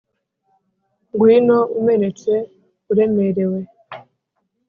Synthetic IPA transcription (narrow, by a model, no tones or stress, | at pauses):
ŋɡwiːnoume̞ne̞t͡swe̞ | uɾe̞me̞ɾe̞we̞